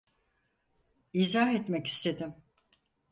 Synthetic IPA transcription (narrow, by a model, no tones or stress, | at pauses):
iːzaɦet̪mɛci̥st̪ʰe̞d̪ɪm